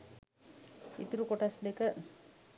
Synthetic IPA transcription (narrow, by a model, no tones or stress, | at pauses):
ḭt̪uɾukoʈasd̪ekə